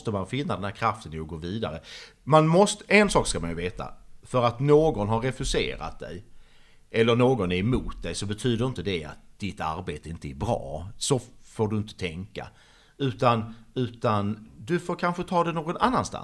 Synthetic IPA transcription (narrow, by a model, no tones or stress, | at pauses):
t̪əmanfɪnːad̪ɛnhæɾkʰɾaft̪ənɪɔɡoːviːd̪a̰ɾə | manmɔst̪əʔɛnsɑːkskamanjɵveːt̪ʰa̰fœɾat̪noːɡɔnɦaɾːɛfɵsḛːɾa̰t̪̚d̪ɛ̰j | ʔɛlːəɳoːɡɔnæɾɛmuːt̪̚d̪ɛjsɔbɛt̪ʰyːd̪əɾɪnt̪əd̪ɛa̰t̪̚d̪̥ɪt̪ːa̰ɾbeːt̪əɪnt̪əæɾbɾɑ̰ːsɔfoːɖɵɪnt̪ə̥t̪ʰɛŋka̰ | ʉ̟ːt̪anʉ̟ːt̪and̪ɵfoːɾkʰanɧət̪ʰɑːd̪ɛnoːɡɔnʔanːanst̪a̰